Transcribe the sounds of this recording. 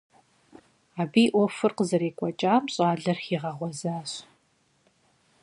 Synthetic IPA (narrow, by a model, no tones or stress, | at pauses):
aːbiːʔʷɔfɨrqəzɐɾiːkʷʼɔt͡ʃʼaːmɕʼaːɮɐrxiːʁɐʁʷɔzaːɕ